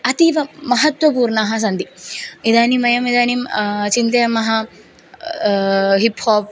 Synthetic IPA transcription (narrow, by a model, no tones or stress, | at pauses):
ɐt̪iʋɐmɐɦɐt̪wʋɐpuːɾɳaːɦɐ̆s̬ɐnd̪iid̪aːnimɐjɐmid̪aːnimt͡ʃint̪ɐjɐmɐɦɐ | ɦiphoːp̚